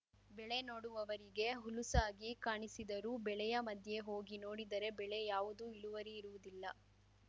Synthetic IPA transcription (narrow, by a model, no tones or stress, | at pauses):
bɛɭe̞no̞ːɽuʋɐʋɐɾiɡe̞ɦulusaːɡikaːɳisid̪ɐɾuːbɛɭɛjɐmɐd̪ʱje̞ɦoːɡino̞ːɽid̪ɐɾe̞bɛɭe̞jaːʋud̪uiluʋɐɾiːɾuʋud̪ilːɐ